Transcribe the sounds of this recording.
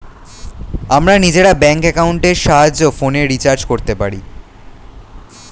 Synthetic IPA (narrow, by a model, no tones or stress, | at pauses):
amɾanid͡ʑeɽabɛŋkɛkauɳʈeɾʃaɦad͡ʑofoneɾit͡ɕaɾd͡ʑkoɾt̪epaɾi